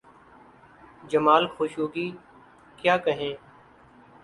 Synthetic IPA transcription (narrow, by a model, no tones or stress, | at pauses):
d͡ʒəmaːlxoːʃuːɡiː | kjaːkəɦẽː